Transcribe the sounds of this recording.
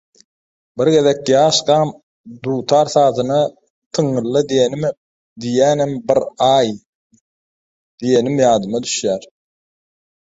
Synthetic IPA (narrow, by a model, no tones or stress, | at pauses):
biɾɡe̞ðekjɑːʃɡɑːm | d̪uːt̪ʰɑːɾθɑːt̪ɯnɑ | t̪ʰɯŋːɯlˠːɯd̪ijenm | d̪ijæːnembiɾɑːj | d̪̥ije̞nimjɑːd̪ɯmɑd̪yʃjæːɾ